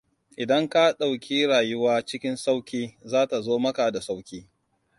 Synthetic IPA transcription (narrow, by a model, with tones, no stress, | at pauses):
ʔɪ˨dɐ˦ŋka˦ɗa˨wkʲiː˦ɽaː˨jʊ˦waː˦t͡ʃɪ˦kʲɪ˦nsa˦wkʲiː˦zaː˦ta˨zoː˦mɐ˦ka˨da˨sa˦wkʲiː˦